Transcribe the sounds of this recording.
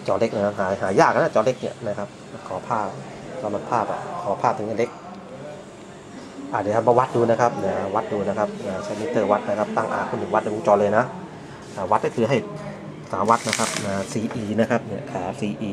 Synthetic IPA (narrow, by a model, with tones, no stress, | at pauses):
t͡ɕɔː˧le˦˥k̚na˧˩kʰa˧˥ɦaː˨˩˦ɦaː˩˦jaː˥˩k̚ːa˧na˧˥˩t͡ɕɔː˧le˦˥k̚nḭ˧˩ɐna˦˥kʰa˦˥p̚ːkʰɔː˨˦pʰaː˥˩ | saː˨˧˦ma˧˩pʰaː˥˩p̚a̰˨˩kʰɔː˨˦pʰaː˥˩p̚t̪ʰɯ˨˦na˧˥˩le˦˥k̚ | ʔaː˨˩a˧˩kʰa˧˩bɔː˧wa˦˥t̪̚duː˧na˦˥kʰa˦˥p̚na˧˩wa˦˥t̪̚duː˧na˦˥˧kʰa˦˥p̚aː˧˩t͡ɕʰaː˧˩mi˦˧˥t̪ːɤː˥˩wa˦˥t̪̚na˧kʰa˧˥p̚t̪a˥˩ŋʔa̰ː˧kʰu˧˩˨nːɯ˨˩wa˦˥t̪̚ʔa˧˩˨o˧˦ŋt͡ɕɔː˧lɤː˧jna˦˥ | ʔaː˧˩wa˦˥t̪̚na˥˩kʰɯː˨˦ɦa˥˩j | saː˩˦wa˦˥t̪̚na˧˥kʰa˦˥p̚naː˧˩siː˧ʔiː˧na˦˥kʰa˦˥p̚ni˧˩ɐkʰaː˩˦siː˧ʔiː˧